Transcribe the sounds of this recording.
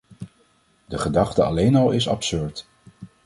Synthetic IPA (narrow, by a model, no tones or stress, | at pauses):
dəχədɑχtəɑ̰lejnɑlˠɪsɑ̰psøɹt